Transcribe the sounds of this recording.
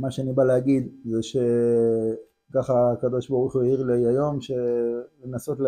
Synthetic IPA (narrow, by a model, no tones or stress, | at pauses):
maʃeanibaleaɡid̪zeʃe̞ | kaχaːkad̪o̞ʃbaʁuχujeiʁlejajo̞mʃelenaso̞t̪l